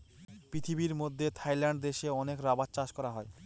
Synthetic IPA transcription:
pɾit̪ʰibiɾmod̪ʱːet̪ʰajlaɳɖ̚d̪eʃeɔnekɾabatt͡ɕaʃkɔɾaɦɔe

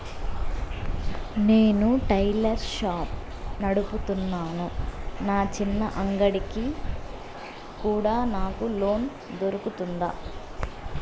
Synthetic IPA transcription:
ne̞ːnuʈɐjlɐɾʃaːp | nɐɽuput̪unːaːnunaːt͡ʃinːɐʔɐŋɡɐɽiki | kuːɽaːnaːkulo̞ːn | d̪oɾukut̪und̪a̰ː

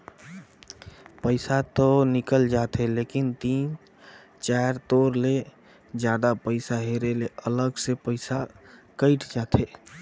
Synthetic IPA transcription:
pəɪsat̪ɔnikəld͡ʒat̪ɦelekint̪in | t͡ʃaɾt̪oɾle | d͡ʒjad̪apəɪsaɦeɾeleələɡsepəɪsakəɪʈʰd͡ʒat̪ʰe

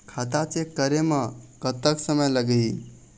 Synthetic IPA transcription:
kʰat̪at͡ʃekəɾeməɡ̥ət̪əksəməjləɡəi

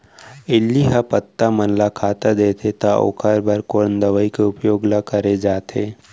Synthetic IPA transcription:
ɪlːiɦəpət̪ːamənlakʰaːt̪ad̪eːt̪ʰet̪ao̰kʰəɾbəɾkoːnd̪ɐʋəikeʊpjoːɡlakəɾed͡ʒaːt̪ʰeː

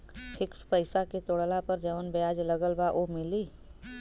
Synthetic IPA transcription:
kʰɪkspəɪsaket̪oɽlapəɾd͡ʒɐʋənbjaːd͡ʒləɡəlbaʔomɪliː

